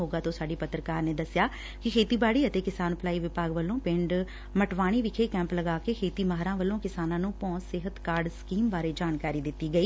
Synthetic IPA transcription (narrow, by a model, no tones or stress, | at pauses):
ɦoːɡaːt̪õːsaːɖiːpət̪ːɾəkaːɾneːd̪əsɪjaː | kɪkʰeːt̪iːbaːɽiːət̪eːkɪsaːnplaːiːʋɪpaːɡʋəlõːpɪɳɖ | məʈʋaːɽ̃iːʋɪkʰeːkɛ̃ːmpləɡaːkeːkʰeːt̪iːmaɦɾãːʋəlːõːkɪsaːnãːnũːpɔ̃ːsɪɦət̪kaːɾɖsə̥kiːmbaːɾeːd͡ʒaːnkaːɾiːd̪ɪt̪ːiːɡəiː